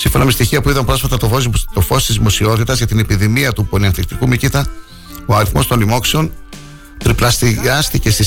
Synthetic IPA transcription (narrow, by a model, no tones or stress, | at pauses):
siɱfo̞nɐme̞st̪içiɐpuiðɐmpɾo̞sfɐt̪ɐt̪ot̪ofo̞st̪izðimo̞sio̞t̪it̪ɐzʝɐt̪inepiðimiɐt̪uponiɐnθlik̚t̪ikumicit̪ɐ | oɐɾiθmo̞st̪onlimo̞kseo̞n | t̪ɾiplɐst̪iɐst̪ice̞st̪i